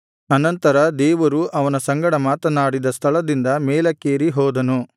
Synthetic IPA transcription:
ɐnɐnt̪ɐɾɐd̪ɛːʋɐɾuʔɐʋɐnɐsɐŋɡɐɽɐmaːt̪ɐnaːɽid̪ɐst̪ʰɐɭɐd̪ind̪ɐmɛːlɐkeːɾiɦɔːd̪ɐnu

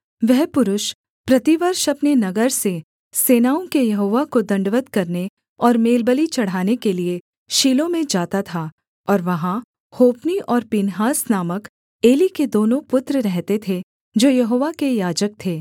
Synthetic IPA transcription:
ʋɛɦpʊɾʊʃ | pɾɐt̪ɪʋəɾʃɐpnenɐɡəɾse | seːnaːõkejɐɦoːʋakod̪ɐ̃ɳɖʋət̪kɐɾne | ɔːɾmeːlbəlit͡ʃɐɽ̤ɦaːnekelie | ʃiːlõmẽd͡ʒaːt̪at̪ʰa | ɔːɾʋɐɦã | hoːpniʔɔːɾpinɦaːsnaːmək | eːliked̪oːnõpʊt̪ɾəɾɛɦt̪et̪ʰe | d͡ʒoːjɐɦoːʋakejaːd͡ʒək̚t̪ʰeː

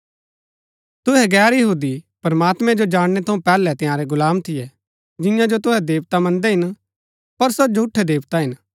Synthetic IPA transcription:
t̪ʊɦɛɡɛːɾjɐɦuːd̪ipɐɾɐmaːt̪mɛ̃d͡ʒod͡ʒaːɽ̃ɽ̃ɛt̪ʰɐũpɛːlɛt̪ɪ̃jaːɾɛɡʊlaːmt̪ʰɪjɛ | d͡ʒɪ̃jãd͡ʒot̪ʊɦɛd̪eːʋt̪amɐ̃nd̪ɛɦɪn | pɐɾsod͡ʒʱʊʈʰːɛd̪eːʋt̪aɦɪn

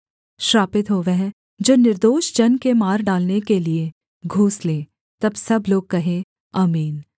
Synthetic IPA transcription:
ʃɾaːpɪt̪ɦoʋɛɦ | d͡ʒoːnɪɾd̪oːʃd͡ʒɐnkemaːɾɖaːlnekelie | ɡʱuːslẽː | t̪ɐbsɐbloːɡ̚kɐɦẽ | aːmiːn

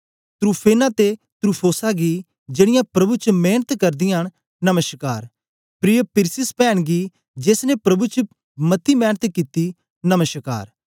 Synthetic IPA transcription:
t̪ɾuːpʰeːnãt̪e | t̪ɾuːpʰoːsaɡi | d͡ʒeːɽ̃ɪjãpɾɐbut͡ʃəmeːnət̪kɐɾd̪ɪjaɦɽ̃ | nɐməʃkaːɾ | pɾijəpɪɾsɪspɛːɽ̃ɡi | d͡ʒeːsnepɾɐbut͡ʃə | mɐt̪ʰimɛːnət̪kit̪i | nɐməʃka̰ːɾ

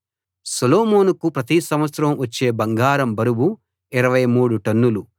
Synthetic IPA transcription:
sɐloːmoːnukupɾɐt̪isɐmʋɐt̪sɾɐmʋɐt͡ʃːe̞ːbɐŋɡaːɾɐmbɐɾubu | iɾɐʋɐjmuːɽuʈɐnːulu

